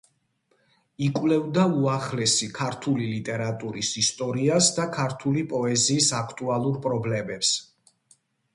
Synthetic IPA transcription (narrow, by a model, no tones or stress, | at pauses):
ikʼwlɛvd̪auaχlɛsikʰaɾt̪ʰulilit̪ʼɛɾat̪ʼuɾisist̪ʼɔɾiasd̪akʰaɾt̪ʰulipʼɔɛziːsakʰt̪ʼualˠuɾpʼɾɔblɛmɛps